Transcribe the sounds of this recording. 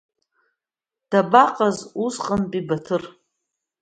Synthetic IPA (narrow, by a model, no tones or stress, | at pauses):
d̥abaqʼazusqʼanpʼibatʰɨr